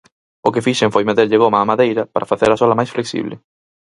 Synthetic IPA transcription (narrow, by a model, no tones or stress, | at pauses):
okefiʃeŋfojmet̪eɾʎɪɣ̞omaːmaðejɾɐpaɾʔafaθeɾasolamajsfleksḭβlɪ̰